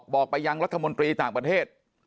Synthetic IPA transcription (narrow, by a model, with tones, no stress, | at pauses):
k̚bɔː˨˩k̚pa˧jːa˧ŋɾa˦˥t̪ʰːa˧mo˧nt̪ɾiː˧t̪aː˨˩ŋpɾa˧t̪ʰeː˥˩t̪̚